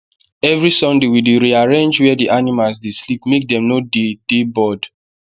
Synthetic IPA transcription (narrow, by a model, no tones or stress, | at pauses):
ɛvɹisɔ̃ndewideɹiaɹẽnd͡ʒwɛdiʔanimalsdeslipmek̚dɛ̃mnoded̥ebɔd